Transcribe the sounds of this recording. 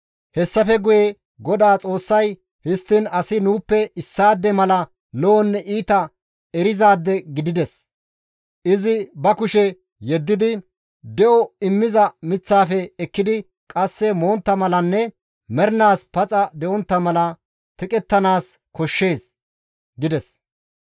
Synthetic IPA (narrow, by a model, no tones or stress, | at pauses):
hɛsːɐfɛɡʊjɛ | ɡɔd̪aːt͡sʼo̞ːsːɐj | hɪst̪ːɪnɐsɪnuːpːɛʔɪsːaːd̪ːɛmɐlɐ | loɔnːɛʔiːt̪ɐ | ɛɾɪzaːd̪ːɛɡɪd̪ɪd̪ɛs | ʔɪzɪbɐkʊʃɛ | jɛd̪ːɪd̪ɪ | d̪ɛʔɔɪmːɪzɐmɪt͡sːaːfɛːkːɪd̪ɪ | kʼɐsːɛmo̞ːnt̪ːɐmɐlɐnːɛ | mɛɾnaːspɐt͡sʼɐd̪ɛʔɔnt̪ːɐmɐlɐ | t̪ɪkʼɛt̪ːɐnaːs | kɔʃːe̞ːs | ɡɪd̪ɛs